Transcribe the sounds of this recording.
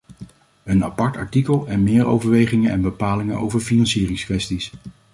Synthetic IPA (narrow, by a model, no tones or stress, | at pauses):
əna̰pɑɹtɑɹtikəlˠɛnmɪːɹo̰wvəɹʋejχɪŋənɛ̰nbəpaːlɪŋənʔo̰wvəɹfinɑnsiːrɪŋskʋɛstis